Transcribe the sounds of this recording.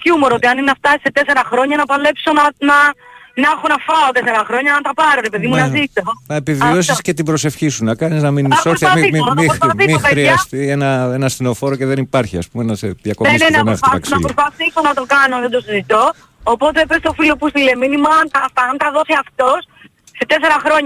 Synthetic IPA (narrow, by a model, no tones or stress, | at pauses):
cumo̞ɾot̪iɐnineɐft̪ɐset̪e̞se̞ɾɐxɾo̞ɲɐnɐpɐle̞pso̞nɐnɐnɐxonɐfɐo̞t̪e̞se̞ɾɐxɾo̞ɲɐɐnt̪ɐpɐɾo̞ɾe̞pe̞ðimunɐzit̪o̞nɐepivios̬iscet̪ibɾo̞se̞fçisunɐkɐniznɐminɐoosɐθiɐppoɐθimipeɾiɐst̪ienɐenɐst̪inofoɾoceðe̞nipɐɾçiɐ̰spumenɐseðjɐkonmesnennɐɐɐksonɐpɾospɐθiso̞nɐt̪o̞kɐnoðed̪o̞sizit̪o̞ː | po̞t̪epest̪ofilo̞pust̪ileminimɐɐnt̪ɐft̪ɐɐnt̪ɐðo̞siɐft̪o̞s | se̞t̪e̞s̬e̞ɾɐxɾo̞ɲ